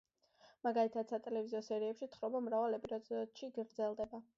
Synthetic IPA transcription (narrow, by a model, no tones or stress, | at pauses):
maɡalit̪ʰad̪sat̪ʼɛlɛviziɔsɛɾiɛpʃit̪χɾɔbamɾavalɛpʼɛɾat̪ʼɔd̪̥ʃiɡɾd̪zɛlˠd̪ɛba